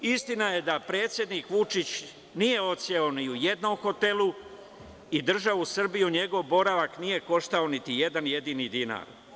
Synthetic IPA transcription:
ist̪inaje̞d̪apɾe̞ːt̪sjed̪niːkʋut͡ʃit͡ɕ | nije̞o̞t̪sjeoniuje̞d̪no̞mxo̞t̪e̞lˠu | id̪r̩ʒaʋusr̩bijuɲe̞ɡo̞ʋbo̞ɾaʋaknije̞ko̞ʃt̪ao̞nit̪ije̞d̪anje̞d̪inid̪ina̰ːɾ

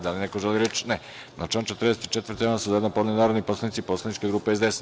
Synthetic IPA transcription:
d̪alinekoʒeliɾet͡ʃne | nat͡ʃant͡ʃe̞t̪ɾrd̪eset̪i̥t͡ʃet̪vərɾt̪jsuzajenpod̪nenaːɾod̪niposlanit̪sipoːslˠanit͡ʃkeɡɾuːpeezd̪ees

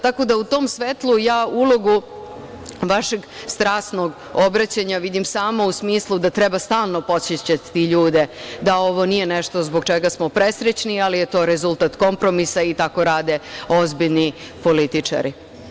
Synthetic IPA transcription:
t̪ako̞d̪aut̪o̞ːmsʋet̪lˠujaːulˠo̞ɡu | ʋaʃe̞ɡ | st̪ɾaːst̪noɡ | o̞bɾat͡ɕaɲaʋid̪imsaːmo̞usmiːslˠud̪at̪ɾebast̪aːlˠno̞po̞t̪sjet͡ɕat̪ːiʎuːd̪e̞d̪ao̞ʋo̞nijeneʃt̪ozboɡt͡ʃeɡasmopɾesɾet͡ɕnialije̞t̪o̞ːɾezulˠt̪at̪ko̞mpɾo̞misait̪ako̞ɾaːd̪e̞o̞zbiʎni | po̞lit̪it͡ʂa̰ɾʔi

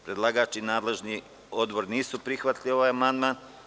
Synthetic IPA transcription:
pɾe̞d̪lˠaɡaːt͡ʃinaːd̪le̞ʒni | o̞d̪bo̞ɾniːsupɾixʋat̪lio̞ʋaːjamand̪maːn

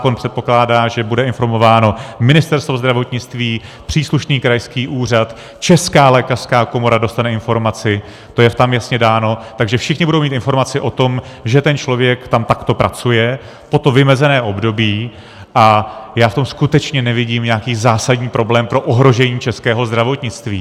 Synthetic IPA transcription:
ko̞npr̥ɛt̪̚po̞klaːdaːʒɛbudɛɪnfo̞ɾmo̞vaːno̞mɪnɪst̪ɛɾst̪vozd̪ɾavo̞t̪ɲɪt͡st̪viːpr̥iːsluʃniːkɾajskiːʔuːr̝at̪ | t͡ʃɛskaːlɛːkar̥skaːko̞mo̞ɾado̞st̪anɛɪnfo̞ɾmat͡sɪ | t̪o̞jɛft̪amjasɲɛdaːno̞t̪aɡʒɛfʃɪxɲɪbudowmiːt̪ɪnfo̞ɾmat͡sɪʔo̞t̪o̞m | ʒɛt̪ɛnt͡ʃlo̞vjɛkt̪amt̪akt̪o̞pɾʔat͡sujɛ | po̞t̪ovɪmɛzɛnɛːʔo̞bdo̞biː | ʔajaːft̪o̞mskut̪ɛt͡ʃɲɛnɛvɪɟiːmɲɛakiːzaːsadɲiːpɾo̞blɛːmpɾo̞ʔoɦɾo̞ʒɛɲiːt͡ʃɛskɛːɦo̞zd̪ɾavo̞t̪ɲɪt͡st̪viː

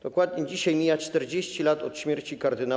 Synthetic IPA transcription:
d̪̥ɔkwad̪ɲed͡ʑiɕajmʲijat͡ʂt̪ɛɾd͡ʑeɕt͡ɕilat̪ɔt̪ɕmʲjeɾt͡ɕikaɾd̪ɘna

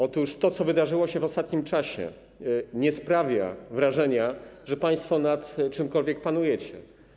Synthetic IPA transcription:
ɔt̪uʂt̪ɔt̪sɔvɘd̪aʐɘwɔɕɛvɔst̪at̪ɲimt͡ʂaɕɛ̰ | ɲɛspɾavʲja̰vɾaʐɛɲaʐɛpãj̃st̪fɔnat̪t͡ʂɘmkɔlvʲjɛk̚panujɛt͡ɕɛ

